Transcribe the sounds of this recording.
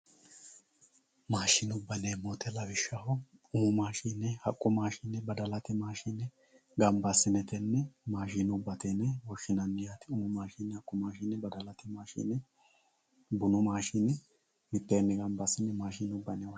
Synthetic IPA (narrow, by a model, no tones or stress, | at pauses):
maːʃɪnʊbːɐneːmoːt̪ɛlɐbɪʃːɐhɔʊmʊmaːʃiːnɛhɐkʼːʊmaːʃɪnːɛbɐd̪ɐlɐt̪ɪmaːʃiːnɛ | ɡɐmbɐsːɪnɛt̪ɛnːɛmaːʃinʊbːɐt̪ɛnɛwɔʃɪnɐnːɪjat̪ɪʊmʊmaːʃiːnːɛhɐkʼːʊmaːʃinːɛbɐd̪ɐlɐt̪ɪmaːʃḭːnɛ | bʊnʊmaːʃinɛ | mɪt̪ːeːnːɛɡɐmbɐsːɪnːɛmaːʃiːnʊbːɐnew